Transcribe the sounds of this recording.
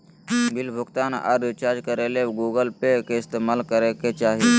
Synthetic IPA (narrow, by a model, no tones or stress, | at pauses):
bɪlbʱʊɡt̪aːnɔ̰ːɾʋit͡ʃaːɾd͡ʒkəɾeleɡuːɡəlpekeɪst̪eːmaːlkəɾeket͡ʃaːɦie